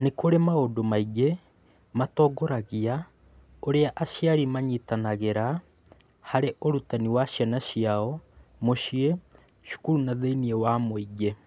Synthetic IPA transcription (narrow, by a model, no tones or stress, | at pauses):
nekoɾemaodomaiɡe | matɔɡoɾaɣia | oɾeaʔaʃjaɾimaɲitanaɣeɾa | haɾeʔoɾutaniwaʃjanaʃiaɔmoʃie | ʃu̥kuɾunaðeiniewamoiɡe